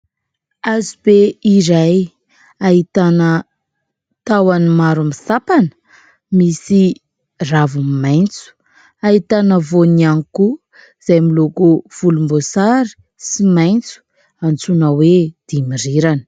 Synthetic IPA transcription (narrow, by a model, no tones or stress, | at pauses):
azibeiɾaj | aɦit̪anə | t̪awanimaɾumisapanə̥ | misi | ravumimajnt͡su̥ | aɦit̪anəvonianiku | z̥ajmilokuv̥ulumbosaɾi̥ | simajnt͡su̥ | ant͡sunawed̪̥imiriɾanə̥